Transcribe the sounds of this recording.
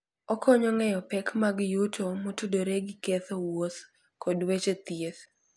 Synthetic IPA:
ɔkʰɔɲɔŋɛjɔpɛkmaɡjutʰomotudoɾeɡɪkeθowos | kodwet͡ʃet̪jeθ

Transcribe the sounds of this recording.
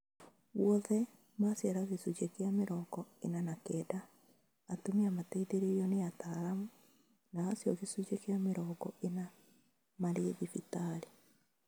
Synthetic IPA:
wwɔðɛ | masjaɾaɣesut͡ʃekeameɾɔɡɔenanakɛdaː | tumeamatɛiðeɾejɔneataɾamu | naːsjɔɣesud͡ʒekeameɾɔɡɔena | maɾeːðifitaɾe

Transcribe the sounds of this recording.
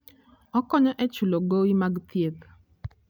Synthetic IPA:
ɔkɔɲɔʔɛt͡ʃuloɡowimaɡt̪jet̪

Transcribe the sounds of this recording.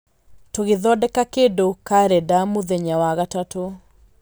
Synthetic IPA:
toɣeðɔdɛkakedokaɾɛdamoðɛɲawaɣatato

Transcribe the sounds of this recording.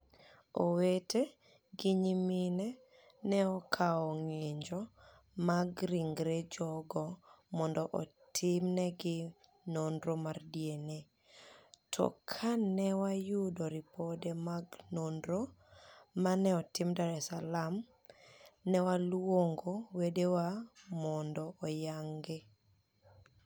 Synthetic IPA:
o̰wete | ɡɪɲiminɛ | nɛɔkʰaɔŋeɲd͡ʒɔ | maɡɾiŋɡɾed͡ʒɔɡɔ | mɔndɔʔɔtʰɪmnɛɡɪ | nondɾomardjene | tʰɔ̰kʰanɛwajudɔɾipɔdemaɡnondɾoː | anɛɔtɪmdaɾɛsalam | nɛwalwwoŋɡowedewamɔndɔʔɔjaŋɡe

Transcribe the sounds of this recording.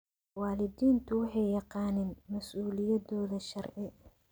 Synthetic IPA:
wɑːlɪdiːnt̪ʰʊwɑħɑjjɑqɑːnɛːnmɐsuːlɪjɐdɔːðɐʃɐrʕɪ

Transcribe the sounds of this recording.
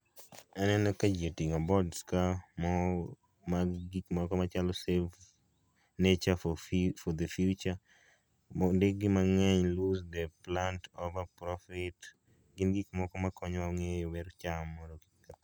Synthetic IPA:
anɛnɔkad͡ʒetiŋabɔdskamɔ | maɡikmɔkɔmat͡ʃalɔsev | net͡ʃafɔd̪efjut͡ʃa | ɔndeɡɪmaŋɛɲluzd̪ɛplantovapɾɔfɪt | ɡɪnɡikmɔkɔmakɔɲwaŋejoweɾt͡ʃamːɔɾok | ka

